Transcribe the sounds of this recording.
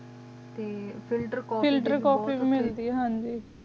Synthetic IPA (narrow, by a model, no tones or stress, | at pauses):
t̪eːfʰɪlʈəɾkːfɪlʈəɾkɔːpiːbiːmɪld̪iːɦɛːɦãːɲd͡ʒiː